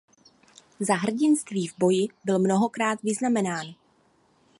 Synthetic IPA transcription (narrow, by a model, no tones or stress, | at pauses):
zaɦr̩ɟɪnst̪viːvbo̞jɪbɪlmno̞ɦo̞kɾaːt̪vɪznamɛnaːn